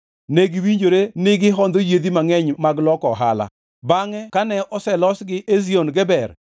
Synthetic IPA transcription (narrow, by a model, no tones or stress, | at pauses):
neɡiwiɲd͡ʒoɾenɪɡɪɦɔnd̪ojed̪imaŋɛɲmaɡlɔkɔɦa̰la̰ | baŋɛkanɛʔɔsɛlɔsɡɪʔezionɡɛbɛr